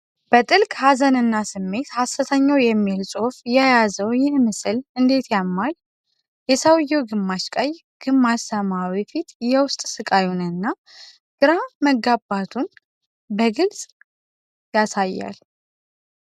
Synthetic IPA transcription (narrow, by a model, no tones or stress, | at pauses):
b̥ət̪ʼɨlkʼhazənɨnːasɨmːe̞t̪hasət̪ʰəɲːawjɛmːilsʼo̞fjɛjazəwjɪnmɨsɨlɨnd̪e̞t̪ʰjamːal | jɛsawjɛwɡɨmːaʃkʼəj | ɡ̥ɨmːaʃsəmawifit̪jɛwʊst̪ʼsɨkʼajunɨnːa | ɡ̥ɨɾaməɡːabat̪ʰun | bəɡɨlsʼ | jasajːa̰l